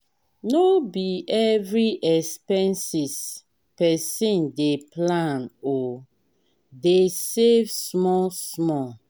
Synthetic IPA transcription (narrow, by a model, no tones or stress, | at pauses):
nobiɛvɹiʔɛspɛ̃nsis | pɛsĩndeplãnɔ | desevsmɔsmɔ